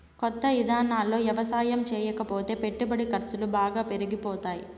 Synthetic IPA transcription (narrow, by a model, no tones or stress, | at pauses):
kɔt̪ːɐid̪ʱaːnaːlːo̞ːjɐʋɐsaːjɐmt͡ʃɛːjɐkɐpo̞ːt̪e̞ːpe̞ʈːubɐɽikɐɾsulubaːɡaːpe̞ɾiɡipɔːt̪aːjḭ